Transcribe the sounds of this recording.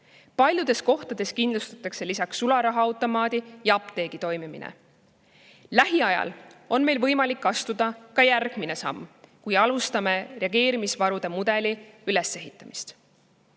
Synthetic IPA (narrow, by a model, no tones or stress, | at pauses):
pɑlʲjud̪̥e̞sko̞ht̪ɑd̪e̞skind̪lust̪ɑt̪ːˑɑkse̞lisɑksːulɑɾɑɦɑɑwt̪ːˑo̞mɑːd̪̥ijɑɑpt̪e̞ːɡ̥it̪o̞jmimḭnḛ | læɦiɑjɑ̰lo̞nme̞jlvɤjmɑlikːɑst̪ud̪̥ɑkɑjærɡ̥mine̞sɑ̰mːkujɑlust̪ɑme̞re̞ɑɡe̞ːɾimisvɑɾud̪e̞mud̪̥e̞liyle̞se̞ɦit̪ːˑɑmist̪